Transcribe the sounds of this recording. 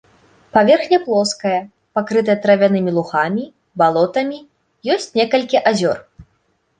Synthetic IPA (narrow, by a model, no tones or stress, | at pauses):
pavʲɛrxnʲɐplˠɔskɐjɐ | pakɾɨt̪ɐjɐt̪ɾɐvʲanɨmʲilˠuxamʲi | balˠɔt̪ɐmʲi | jɔsʲt͡sʲnʲɛkɐlʲkʲiʔazʲɔr